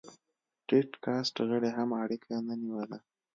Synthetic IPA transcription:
ʈeʈkɑsʈɣəɽeɦamaɽikʰanəniwəla

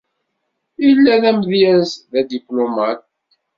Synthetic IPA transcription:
ilːæðæmðjæzðæd̪iplomat̪̚

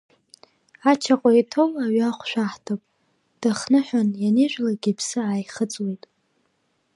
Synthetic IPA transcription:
at͡ʃʰaqʼajtʰo̞maɥaχʷʃʷᶣaħtʰapʼ | d̥aχnɨħʷᶣanjaniʒʷᶣlaɡʲipʰsɨaːjχət͡sʼwejtʼ

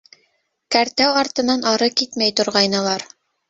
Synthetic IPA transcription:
kæɾt̪æwɑɾt̪ɤ̆nɑnɑɾɤkit̪mæjt̪ŏɾʁɑjnɤ̆lˠɑɾ

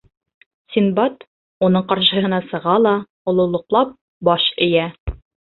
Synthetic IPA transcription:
sʲinbɑt̪ | unɤɴqɑɾʃɤ̆ɦɤ̆nɑsɤ̆ʁɑlˠɑ | ŏlˠŏlˠɤ̆qlˠɑp̚ | bɒʃɘ̆jæ

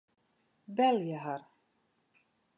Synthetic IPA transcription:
bɛljaɦaɾ

